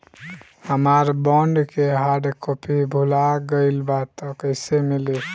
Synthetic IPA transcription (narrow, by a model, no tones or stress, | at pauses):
həmaɾbɔɳɖkeɦaɖkopibʱulaɡəɪlbat̪ɔkəɪsemili